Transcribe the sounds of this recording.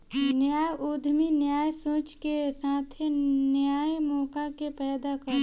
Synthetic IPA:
njaːjʔuːd̪ʱminjaːjsõːt͡ʃkesaːt̪ʰenjaːjmɔːkakepɛːd̪akəɾ

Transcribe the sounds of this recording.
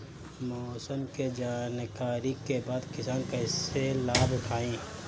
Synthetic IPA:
mɔːsəmked͡ʒaːnkaːɾikebaːd̪kɪsaːnkɛːselaːbʊʈʰaːẽː

